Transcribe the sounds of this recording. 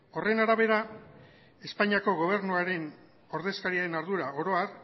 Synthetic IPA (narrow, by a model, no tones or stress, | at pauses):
o̞re̞naɾaβ̞e̞ɾa | e̞spaɲiako̞ɣ̞o̞β̞e̞ɾnuaɾe̞n | o̞ɾðe̞skaɾiaɾe̞naɾðuɾao̞ɾo̞ar